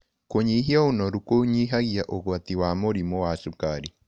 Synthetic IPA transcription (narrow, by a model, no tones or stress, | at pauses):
koɲiɦiɔunɔɾukoɲiɦaɣiaʔoɣɔt̪iwamoɾimɔwasukaɾi